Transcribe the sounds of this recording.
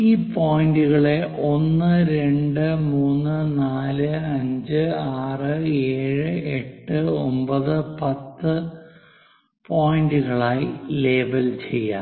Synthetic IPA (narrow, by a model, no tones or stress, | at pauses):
iːpoːjinduɣɐɭeʔo̞nːɨɾe̞ɳɖɨmuːnːɨnaːlɨɐɲd͡ʑɨaːrɨe̞ːɻɨeʈːɨombɐðɨpɐt̪ːɨ | pʰoːjinduɣɐɭaːjile̞ːbɐlt͡ɕe̞jːa̰ː